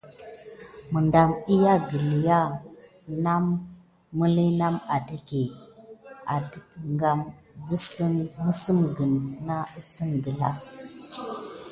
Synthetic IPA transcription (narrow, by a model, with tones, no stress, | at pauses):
mə˨nda˨mi˦ja˦ɡi˨li˨ja˦ | na˦mː | u˦li˦na˦ma˨di˦ke˨ | a˨dŋɡa˨m | di˦si˦nmə˦si˦mɡə˨nna˦i˦si˦nɡə˨la̰˦